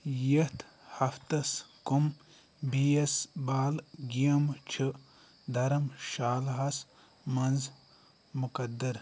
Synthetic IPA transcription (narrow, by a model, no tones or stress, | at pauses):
jɐt̪ʰ | hɐft̪ɐskum | biːɐsbaːlɡijɐmt͡ʃʰɨ | d̪ɐɾɐmʃaːlɦɐs | mɐnz | mukɐd̪ɐɾ